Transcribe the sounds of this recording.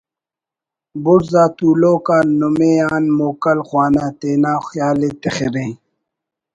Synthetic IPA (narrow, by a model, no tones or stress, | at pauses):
buɾzaːt̪uːloːkaːnumeaːnmoːkɐlxwaːnãːt̪eːnaːxjaːleːt̪exeɾẽː